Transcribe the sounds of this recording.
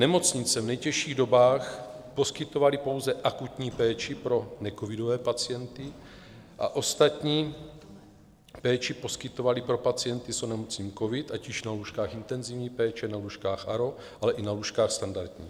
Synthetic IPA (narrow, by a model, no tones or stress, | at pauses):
nɛmo̞t͡sɲɪt͡sɛvnɛjcɛʃiːɣdo̞baːxpo̞skɪt̪o̞valipo̞wzɛʔakut̪ɲiːpɛːt͡ʃipɾo̞nɛkovidovɛːpat͡sɪjɛnt̪ɪ | ʔa̰ʔo̞st̪at̪ɲiː | pɛːt͡ʃipo̞skɪt̪o̞valipɾo̞pat͡sijɛnt̪isonɛmot͡sɲiːko̞vɪt̪aciʃnaluːʃkaːxint̪ɛnzivɲiːpɛːt͡ʃɛnaluːʃkaːxʔaɾo̞ | ʔalɛʔinaluːʃkaːxst̪andaɾd̪ɲḭː